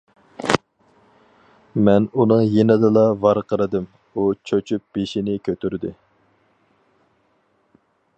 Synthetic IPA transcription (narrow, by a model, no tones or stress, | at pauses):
mɛnunɨŋjenɨd̪ɨlˠɑvɑɾqʰəɾɨd̪ɨm | ut͡ʃʰøt͡ʃʰyp̚b̥eʃinɪkʲʰøt̪ʰyɾd̪ɪ